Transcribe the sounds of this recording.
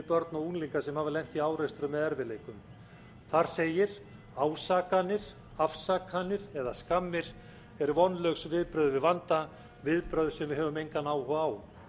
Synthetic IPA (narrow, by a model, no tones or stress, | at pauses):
pœɾt̪naunliŋkasɛmhavɪlejŋ̥t̪iaːwɾɛst̪ɾʏmːɛðɛɾvɪleːjkʏm | θaɾ̥seːjɪɾ̥ | aːwsaːkanːɪɾ̥ | afsaːkanːɪɾɛðaskamːɪɾ̥ | ɛɾvɔnlœxsvɪðpɾœːðʏvɪðvant̪a | vɪðpɾœːðʏsɛmvɪðɦɛːvʏmejŋkanaːwhaːw